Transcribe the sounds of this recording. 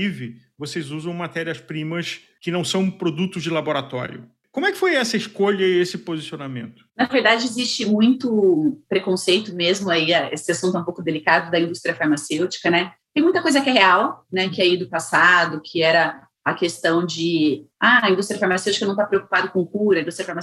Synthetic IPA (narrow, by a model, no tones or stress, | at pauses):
ivɪvosejzuzɐ̃w̃mat̪ɛɾiɐspɾĩmɐs | kɪnɐ̃w̃sɐ̃w̃pɾod̪ut̪ʊzd͡ʒɪlaboɾat̪ɔ̰ɾjʊ̰ | kõmʊɛkɪ̥fojɛsɐɪiʃkoʎɐiesɪpozisionamẽnt̪ʊ̥nɐveɾd̪ad͡ʒɪezist͡ʃɪmũj̃t̪ʊpɾekõsejt̪ʊmezmʊaiɐḛsɪasũt̪ɛũpowkʊd̪elikad̪ʊd̪ɐĩnd̪ust̪ɾiɐfaɾmasewt͡ʃi̥kɐnɛt̪ẽj̃mũj̃t̪ɐkojzɐkɛɦeawnɛkɪɛid̪ʊpasad̪ʊkʰɪɛɾɐ | ɐkest̪ɐ̃w̃d͡ʒɪaɐĩd̪ust̪ɾiɐfaɾmasewt͡ʃikɐnɐ̃t̪apɾeoku̥pad̪ʊkõkuɾɐĩd̪ust̪ɾjɐfaɾma